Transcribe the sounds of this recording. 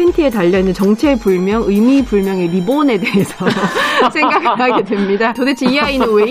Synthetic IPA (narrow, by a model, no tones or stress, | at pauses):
intʰɯe̞taʎːʌnɯnt͡ɕʌŋt͡ɕʰepuɭmjʌŋɯjmipuɭmjʌŋe̞ɾibone̞de̞esʰʌsʰeŋɡakʰaɡedwemɲidatodet͡ɕʰiiainɯwe